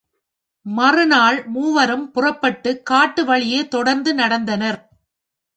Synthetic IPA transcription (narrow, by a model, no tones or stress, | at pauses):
mɐrɯnaːɭmuːʋɐɾɯmpʊrɐpːɐʈːɯkːaːʈːɯʋɐɭɪjeːt̪ɔɽɐɾnd̪ɯnɐɽɐnd̪ɐnɐɾ